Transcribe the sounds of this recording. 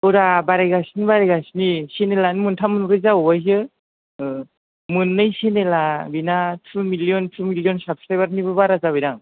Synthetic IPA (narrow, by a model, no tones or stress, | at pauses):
ɔɾabaɾajɡasnibaɾajɡasnisenelanmɯntʰamɯnɾɯzawajz̬ɯ | mɯnːɯjsenelabinatʰumilijɔntʰumiljɔnsap̚stajbaɾnibɯbaɾazaβijɾaŋ